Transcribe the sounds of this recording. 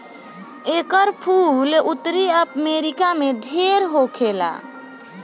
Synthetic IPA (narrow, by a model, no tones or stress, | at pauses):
ekəɾpʰulut̪ɾiəpmeɾikameɖʱeɾɦokʰela̰